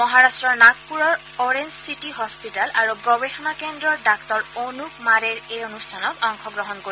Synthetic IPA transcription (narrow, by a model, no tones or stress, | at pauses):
mɔɦaɹastɹɔɹnak̚puɹɔɹ | ɔɹend͡ʒsitiɦɔspitalaɹuɡɔbexɔnakendɹɔɹdaktɔɹonukmaɹɛɹejonustʰanɔtɔŋxʰɔɡɹɔɦɔnkoi